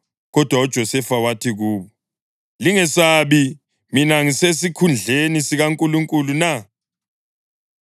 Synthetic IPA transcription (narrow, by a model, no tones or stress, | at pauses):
ɣɔd̥ʱwaɔd̥ʒ̥ʱɔsɛfawatʰiɣuːβɔ | liŋɛsaːβi | minaŋisesikʰund͡ɮʱenisiɣaŋkʼuluŋkʼuluna